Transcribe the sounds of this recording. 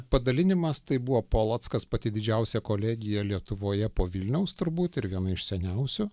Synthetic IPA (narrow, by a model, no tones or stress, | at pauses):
pɐd̪ɐlʲɪnʲɪmɐst̪ɐɪbʊʋoːpoːlˠɐt̪skɐspɐt̪ʲɪd̪ʲɪd͡ʒʲɛʊsʲɛkoːlʲɛːɡʲɪjɛlʲiɛt̪ʊʋoːjɛpoːʋʲɪlʲnʲɛʊst̪ʊɾbuːt̪ɪɾʋʲiɛnɐɪʃsʲɛnʲɛʊsʲʊ